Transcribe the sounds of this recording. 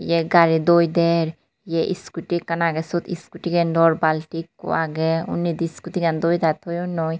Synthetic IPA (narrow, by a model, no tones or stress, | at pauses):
jɛɡaɾid̪ojd̪ɛɾ | jɛʔḭskuʈikɐnaːɡɛsot̪ʰḭskuʈiɡɛnɖɔɾbalʈikːṵaːɡɛṵnːid̪iskut̪iɡand̪ojd̪at̪ʰojunːoj